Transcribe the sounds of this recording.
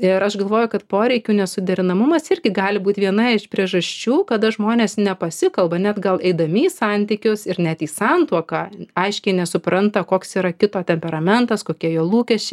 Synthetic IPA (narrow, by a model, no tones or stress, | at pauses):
ɪɾɐʃɡɐlˠʋoːjʊkɐt̪poːɾʲɛɪkʲuːnʲɛsʊd̪ʲɛɾʲɪnɐmʊmɐsɪrʲɡʲɪɡɑːlʲɪbuːt̪ʲʋʲiɛnɐɪʃpʲɾʲiɛʒɐsʲt͡ʃʲuːkɐd̪ɐʒmoːnʲeːsnʲɛpɐsʲɪkɐlˠbɐnʲɛd̪ɡɐlˠɛɪd̪ɐmʲɪsɑnʲt̪ʲɪkʲʊsɪɾnʲɛt̪iːsɑnt̪uɔkɑːɐɪʃʲkʲɛɪnʲɛsʊpɾɐnt̪ɐkoːksiːɾɐkʲɪt̪oːt̪ʲɛmʲpʲɛɾɐmʲɛnt̪ɐskoːkʲiɛjoːlˠuːkʲɛʃʲt͡ʃʲɛɪ